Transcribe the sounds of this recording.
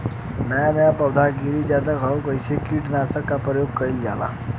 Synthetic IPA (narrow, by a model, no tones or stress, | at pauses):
najamjapəwd̪ʱaɡiɾiːd͡ʑat̪əkɦawkəjsekiːʈnasəkːapɾəjoɡ̚kəiːld͡ʑala̰